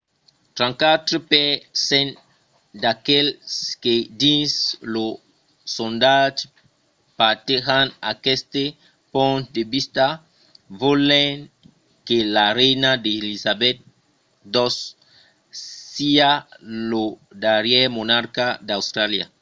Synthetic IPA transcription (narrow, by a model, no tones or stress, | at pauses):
t̪ɾãŋkat̪ɾepesen | d̪akelsked̪ĩnslo | sond̪ad͡ʒ | pat̪eɣanakest̪e | põnt̪d̪ebist̪a | voleŋ | kelarejnad̪elizabɛt̪̚ | d̪os | ialo | d̪aɾjɛmonaɾkad̪awst̪ɾalja̰